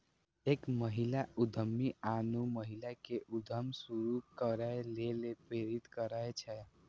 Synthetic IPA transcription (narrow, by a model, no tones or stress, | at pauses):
ekməɦilaud̪ʱəmːianuməɦilakeʔud̪ʱəmsuɾukəɾalelepɾeɾit̪kəɾajt͡ʃʰɛ